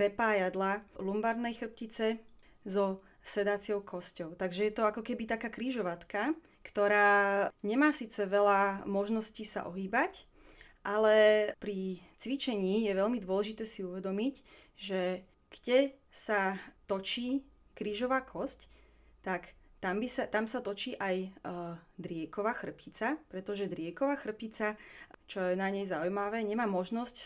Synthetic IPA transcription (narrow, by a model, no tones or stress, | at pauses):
pɾɛpaːjad̪lalumbaɾnɛjxr̩p̚cit͡sɛ | zɔ | sɛd̪at͡sɪɔʊkʰɔscɔʊt̪aɡʒɛjɛt̪ɔakɔkɛbit̪akaːkɾiːʒɔʋat̪ka | kt̪ɔɾaːɲɛmaːsiːt͡sɛʋɛlamɔʒnɔsciːsa̰ʔɔɦiːbac | ʔalɛpɾit͡sʋit͡ʃɛɲiːjɛʋɛʎmid̪ʊɔlɛʒit̪ɛːsiuʋɛd̪ɔmicʒɛ | ɡ̥ɟɛsat̪ɔt͡ʃiː | kɾiːʒɔʋaːkʰɔsc | t̪akt̪ambisat̪amsat̪ɔt͡ʃiːʔaj | d̪ɾɪɛkɔʋaːxr̩pit͡sapɾɛt̪ɔʒɛd̪ɾɪɛkɔʋaːxr̩pit͡sat͡ʃɔjɛnaɲɛjzaujmaʋɛːɲɛmaːmɔʒnɔsc